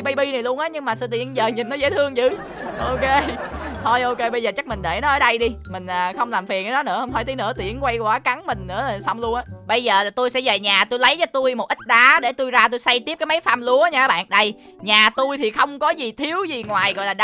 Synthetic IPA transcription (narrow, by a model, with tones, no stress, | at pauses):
ɓə˧jɓi˧na˨˩jlu˧ənʔaː˨˦ɲɨ˧ŋmaː˨˩sɨ̰˧˥˦t̪ḭ˧˩ənzəː˨˩ɲi˨˩nːɔ˨˦zeː˧˦t̪ʰɨ˧əŋt͡ɕɨ̰˧˨˩ | ʔo˧ke˧t̪ʰo˧˩jʔo˧ke˧ɓə˧jzəː˨˩t͡ɕa˦˥k̚mï˨˩ŋ̟ɗe˧˩nɔ˨˦ʔəː˧˩˦ɗə˧jɗi˧mï˨˩ŋ̟ʔəː˨˩xə˧wŋ͡mlaː˨˩mfi˨˩ənʔaː˨˦ɗɔ˨˦nɨ̰˧˥əhə˧wŋ͡m̪ʰɔ˧˩t̪ʰə˨˦nɨ̰˧˥ət̪ḭ˧˩ənkwa˧jkwaː˨˦ka˨˦ŋmï˨˩ŋ̟nɨ̰˧˥əlaː˨˩sa˧wŋ͡mlu˧ənʔaː˨˦ɓə˧jzəː˨˩la˨˩t̪o˧jsɛ̰˧˥ze˨˩ɲaː˨˩t̪o˧jlə˨˦jt͡ɕɔ˧t̪u˧jmo˨˩t̚ʔi˦˥t̟̚ɗaː˨˦ɗe˧˩t̪u˧jzaː˧t̪o˧jsa˧jt̪i˦˥p̚kaː˨˦jmə˨˦jfaː˧mlu˨˦əɲaː˧˨˩ɓa̰ː˧˨nɗə˧j | ɲaː˨˩t̪u˧jt̪ʰi˨˩xə˧wŋ͡mkɔ˨˦zi˨˩t̪ʰi˨˦əwzi˨˩ŋwaː˨˩jɣɔ̰˧˨jlaː˨˩ɗ